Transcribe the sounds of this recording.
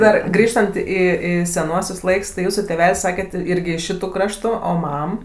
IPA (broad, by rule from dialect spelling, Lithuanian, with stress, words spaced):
ˈdɐr ˈɡrʲiːʃtɐnt ˈiː ˈiː sʲɛˈnuɔsʲʊs ˈlˠɐɪks tɐɪ ˈjuːsuː tʲeːˈʋʲɛlʲsʲ ˈsɑːkʲɛt ˈɪrʲɡʲɪ ɪʃ ˈʃʲɪtʊ ˈkrɑːʃtʊ ˈoː ˈmɐm